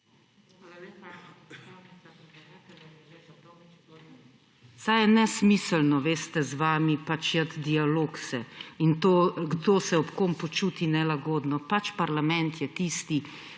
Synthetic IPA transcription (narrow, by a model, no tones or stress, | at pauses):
sajɛnɛsmisəlnɔʋeːst̪ɛzʋaːmipat͡ʃjat̪d̪ialoːksɛint̪oːɡd̪oːsɛɔpkompɔt͡ʃuːt̪inɛlaɡoːd̪nɔpat͡ʃpaɾlamɛnt̪jɛt̪iːst̪i